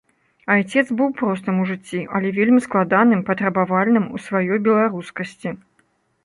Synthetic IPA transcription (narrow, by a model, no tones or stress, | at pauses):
ajt͡sʲɛt̪zbɨwpɾɔs̬t̪ɐmuʐɨt͡sʲːiʔɐlʲɛvʲelʲmʲisklˠad̪anɨmpɐt̪ɾɐbavalʲnɨmusvajɔjbʲɛlˠaɾuskɐsʲt͡sʲi